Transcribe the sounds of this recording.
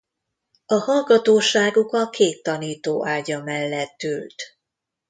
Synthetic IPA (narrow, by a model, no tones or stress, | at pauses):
ɒhɒlɡɒt̪oːʃaːɡukɒkʰeːt̪ːɒniːt̪oːʔaːɟɒmɛlːɛt̪ːylt̪